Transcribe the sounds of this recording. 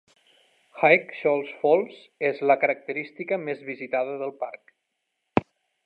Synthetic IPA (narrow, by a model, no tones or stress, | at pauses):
xajkʃɔlˠsfɔlˠs | ezləkəɾək̚t̪əɾist̪ikəmezβizit̪aðəðəlˠpaɾk